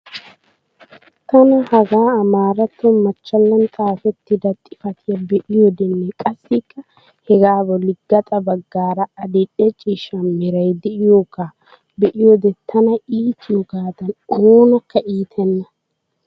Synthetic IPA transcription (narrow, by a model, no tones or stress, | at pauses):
t̪ɐnɐhɐɡaːɐmaːɾɐt̪ːɔmɐt͡ʃːɐlːɐnt͡sʼaːfɛt̪ːɪd̪ɐt̪ʼɪ̥fɐt̪ʰɪjɐbɛʔɪjɔd̪ɛnːɛkʼɐsːɪkːɐ | hɛɡaːbɔlːɪɡːɐt̪ʼɐbɐɡːaːɾɐɐd̪ɪᶑɛt͡ʃʼiːʃɐnmɪɾɐjd̪ɛʔɪjoːkːaː | bɛʔɪjɔd̪ɛt̪ʰːɐnɐiːt̪ʰːɪjɔɡaːt̪ɐnoːnɐkːɐʔiːt̪ʰɛnːɐ